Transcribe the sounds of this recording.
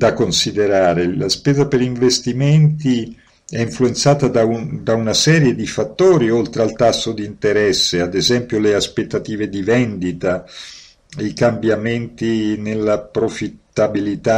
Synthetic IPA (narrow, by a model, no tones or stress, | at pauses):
d̪akonsid̪eɾaːɾelaspɛːzapeɾiɱvest̪iment̪i | ɛiɱfluent̪saːt̪ad̪ad̪aunasɛːɾjed̪ifat̪ːoːɾiolt̪ɾealt̪asːod̪int̪eɾɛsːead̪ezɛmpjoleaspet̪ːat̪iːved̪ivɛnd̪it̪a | ikambjament̪inelːapɾofit̪ːabilit̪a